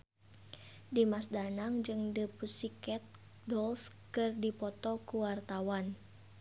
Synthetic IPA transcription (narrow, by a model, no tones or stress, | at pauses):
dimasdanaŋd͡ʒɨŋdəpusikɛt̪̚ | dɔlskɨrdipɔt̪ɔkuwart̪awan